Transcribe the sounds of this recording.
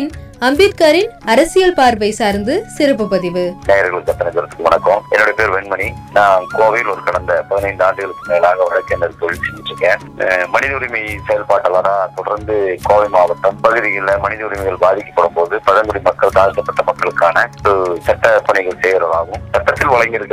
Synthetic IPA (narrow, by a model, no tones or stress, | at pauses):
nɐmbiːt̪kaːɾɪnɐɾɐsɪjɐlpaːɾʋɐɪsaːɾnd̪ɯsɪɾɐp̬ːɯpɐðɪʋɯneːjɐɾɣɐɭɯkɐt̪ːɐnɐt̪ːɐɾɐt̪ːɯ̥kːɯʋɐnɐkːõːɛ̰nːɔɽɐjɐpeːɾʋɛɳmɐɳinãːkoːʋɪjɪlɔɾɯkɐɽɐnd̪ɐpɐðɪnɐɪnd̪aːɳɖɯɣɐɭɯkːɯmeːlaːɣɐʋɐɻɐkːeːndɐɾɯt̪oɭɪsɛnd͡ʒɪʈrɾɯkːẽː | mɐnɪðɐʊɾɪmisɛjɐlpaːʈːɐlɐɾaːt̪ɔɽɐɾnd̪ɯkoːʋimaːbɐt̪ːɐmpɐɣɯðɪjɪlɐmɐnɪðɐʊɾɪmɪɣɐɭbaːðɪkːɐ̥pːɐɽɯmpoːðɯpɐðɐŋɡɯɽimɐkːɐɭt̪aːsʈɐpːɐʈːɐmɐkːɐɭɯkːaːnɐɔɾɯsɐʈːɐpɐɳɪɣɐɭseːjɐɾɐlaːɣɯ̃msɐʈːɐt̪ːɪlʋɐɭɐŋɡɪɾɯkː